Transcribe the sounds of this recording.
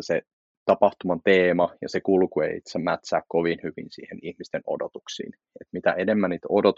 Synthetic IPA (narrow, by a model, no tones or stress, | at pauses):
se | t̪ɑpɑht̪umɑnt̪eːmɑjɑ̰sekulkuḛḭḭt̪sæmmæt̪sæːkkoʋinhyʋḭnsḭːhenihmist̪eno̰dot̪uksḭːn | et̪mit̪æenemːænːiːt̪odot̪